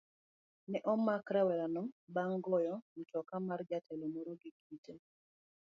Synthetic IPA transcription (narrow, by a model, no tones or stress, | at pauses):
nɛʔɔmːakɾɛwɛɾanɔbaŋɡɔjɔmɔtɔkamard͡ʒatʰɛlɔmɔɾoɡiɡite